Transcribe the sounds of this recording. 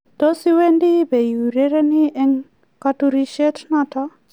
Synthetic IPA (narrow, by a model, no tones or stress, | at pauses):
tosiwendibejuɾeɾeniʔɛŋ | katuɾiʃetnata